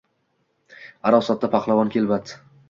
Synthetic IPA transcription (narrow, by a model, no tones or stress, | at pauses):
aɾɒwsɒt̪̚ːapʰaqlˠavɒnkʲe̞lbat̪